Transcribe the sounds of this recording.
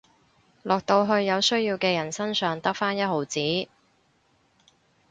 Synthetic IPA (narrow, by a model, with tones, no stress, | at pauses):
lɔː˨k̚t̪o˧wɦɵ˧ɥjɐ˨˧wsɵ˥ɥjiː˧wkɛː˧jɐ˨˩nsɐ˥nsœː˨ŋt̪ɐ˥k̚faː˥njɐ˥t̚ho˨˧˩wt͡siː˨˥